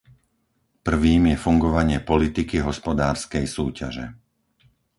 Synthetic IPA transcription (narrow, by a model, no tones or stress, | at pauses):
pr̩ʋiːmjɛfuŋɡɔʋaɲɪɛpɔlit̪ikiɦɔspɔd̪aːɾskɛjsuːca̰ʒɛ̰